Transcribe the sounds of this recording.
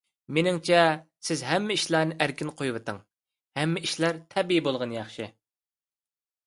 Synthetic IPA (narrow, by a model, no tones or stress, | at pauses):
menɪŋt͡ʃʰɛsɪzɦɛmːɛiʃlˠɑːnɨʔæɾkʲɪnqʰojwɨt̪ʰɨŋ | hɛmːɛiʃlæɾt̪ʰɛbiibolˠʁɑnjɑχʃɨ